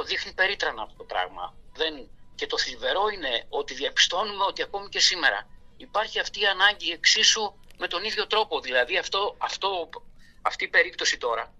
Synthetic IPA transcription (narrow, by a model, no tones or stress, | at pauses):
oðixnipe̞ɾit̪ɾɐnɐːpot̪o̞pɾɐ̰ɣmɐ̰ðe̞nce̞t̪o̞θilive̞ɾo̞ine̞o̞t̪iðiɐpi̥st̪o̞numeo̞t̪iɐko̞mice̞sime̞ɾɐ̰ipɐɾçiɐft̪iːɐnɐɲɟie̞ksisume̞t̪o̞niðʝo̞t̪ɾo̞po̞ðilɐðiɐft̪o̞ɐft̪oɐft̪iːpe̞ɾip̚t̪o̞sit̪o̞ɾɐ